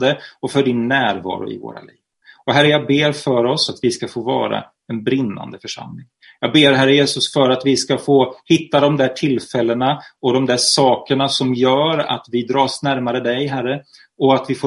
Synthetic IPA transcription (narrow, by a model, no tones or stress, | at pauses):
d̪əɔfœɖɪnːæːɾvɑ̰ːɾʊ̰ɪ̰vo̰ːɾa̰liːv | ɔɦæɾːəjɑːɡ̚beːɾfœɾɔsat̪vɪskafoːvɑ̰ːɾa̰ | ɛnbɾɪnːa̰nd̪əfœʂa̰mlɪŋ | jɑːɡ̚beːɾɦæɾːəjeːsɵsfœɾat̪vɪskafoːhɪt̪ːad̪ɔmd̪æːʈʰɪlfɛlːənaɔd̪ɔmd̪æʂɑːkəɳasɔmjœːɾa̰t̪vɪd̪ɾɑːsnæɾmaɾəd̪ɛjɦæɾə | ɔat̪vɪfoː